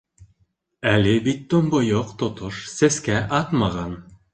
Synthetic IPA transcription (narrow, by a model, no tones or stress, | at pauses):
ælɘbit̪ːŏmbŏjoqt̪ŏt̪oʃsæskæʔɑt̪mɑʁɑn